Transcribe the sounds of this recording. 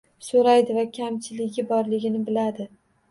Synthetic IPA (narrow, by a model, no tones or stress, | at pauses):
soɾajd̪ɪvakʲʰamt͡ʃʰɪlɪɡʲɪbɒɾlɪɡʲɪnɪbɪlad̪ɪ